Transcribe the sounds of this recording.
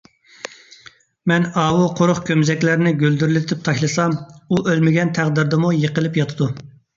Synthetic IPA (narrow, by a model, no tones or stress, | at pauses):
mɛnɑːwuqʰoɾʊχkʲʰømzɛkʲlæɾnɪɡʲøld̪yɾlɪt̪ʰɪp̚t̪ʰɑʃlˠɨsɑmuʔølmɪɡʲɛnt̪ʰæʁd̪ɪɾd̪ɨmujəqəlˠɪpjɑt̪ʰɨd̪u